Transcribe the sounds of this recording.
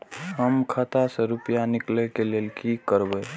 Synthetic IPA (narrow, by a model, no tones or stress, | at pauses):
ɦəmkʰət̪asə̃ɾupijanɪklɛkelelkikəɾbɛ